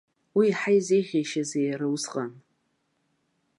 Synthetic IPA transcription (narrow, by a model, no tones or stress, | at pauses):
wiːħajzejʁʲejʃazejrawusqʼan